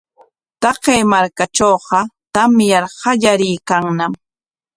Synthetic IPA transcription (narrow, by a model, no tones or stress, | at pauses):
t̪ɑqejmaɾkat͡ʃoːqɑt̪amjɑɾhɑʎaɾɪjkaŋnam